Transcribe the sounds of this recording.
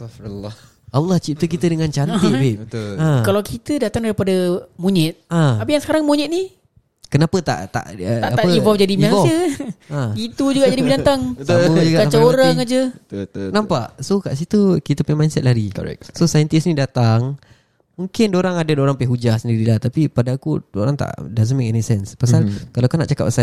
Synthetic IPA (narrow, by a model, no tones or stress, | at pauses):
l | alːɑht͡ʃip̚t̪ək̬it̪ədəŋant͡ʃant̪ɪbɪʔãkalawkʰit̪ədat̪aŋdaɾipadamuɲɪt̪̚ãapijaŋsə̥kaɾaŋmuɲɪt̪̚ni | kənapət̪a̰ʔt̪a̰ʔət̪aʔaaəivɔlfd͡ʒadimaɔəait̪ud͡ʒuɡaʔd͡ʒadibidant̪aŋsad͡ʒuɡaat͡ʃaoɾaŋad͡ʒə | nãmpaʔsokaʔs̬it̪ukit̪əpəjmajnsɛt̪̚laɾiko̰ɛ̰k̚sosajənt̪isnĩdat̪aŋ | muŋkɪndoɾaŋadadoɾaŋpɛɦud͡ʒahsəndiɾilaht̪apipadaakudoɾaŋt̪a̰ʔdazənmekɛnisɛnspasalkalakunaʔt͡ʃaka̰p̚asa